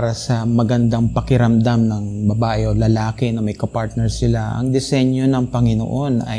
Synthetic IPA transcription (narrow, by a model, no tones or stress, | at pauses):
ɾɐsɐmɐɡɐnd̪aŋpɐkɪɾɐmd̪amnɐŋbɐbaːʔɛʔolɐlaːkɪnɐmɐjkɐpaɹt̪̚nɛɹsɪlaʔɐ̰ŋd̪ɛsɛɲjo̞nɐŋpɐŋɪno̰ʔo̞nɐ̰j